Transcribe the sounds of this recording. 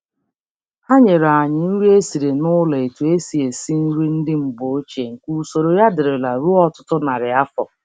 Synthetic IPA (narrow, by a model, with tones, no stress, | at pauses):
ha˦ɲe˨ɾa˨a˨ɲɪ˨n̩˦ɾu˦e˦si˨ɾe˨nʊ˦le˨e˨tu˨e˦si˨e˨si˦n̩˦ɾi˦n̩˦dɪ˦m̩˨bo˨o˦t͡ʃe˨ŋ̩˨ku˦˨˦so˨ɾo˨ja˦dɪ˨ɾɪ˨la˨ɾu˦ɔ˦tʊ̥˦tʊ˦na˨ɾɪ˨a˦fɔ̰˨